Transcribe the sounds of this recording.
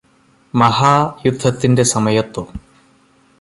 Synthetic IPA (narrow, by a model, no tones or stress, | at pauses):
mɐɦaːjud̪ʱːɐt̪ːinde̞sɐmɐjɐt̪ːo